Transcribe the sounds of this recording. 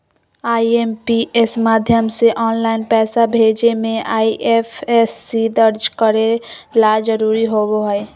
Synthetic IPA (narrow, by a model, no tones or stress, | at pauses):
aːieːmpiɪsmaːd̪ʱjəmseʔɔːnlaːɪnpɛːsabʱeːd͡ʒemẽʔaːiʔefʰesːid̪əɾd͡ʒkəɾelad͡ʒəɾuːɾiɦoːwoɦɛ